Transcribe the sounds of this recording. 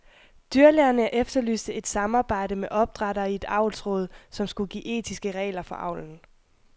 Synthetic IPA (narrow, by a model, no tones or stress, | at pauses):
d̥yɐleɐnəʔefd̥ɐly̰ːsd̥ð̩ˠe̝d̥sɑ̈mɑ̈ːb̥ɑ̈ɪ̰ɾəmeʔɒ̽b̥̚d̥ʁɑ̈ɾɐːie̝d̥ɑ̈ʊlsʁɔ̰̽ːð̞ˠsɒ̽msɡ̥uɡ̥ḭːʔe̝̰ːt͡sʰisɡ̥əʁɛ̰ːlɐfɒ̽ʔɑ̈ʊ̰ln̩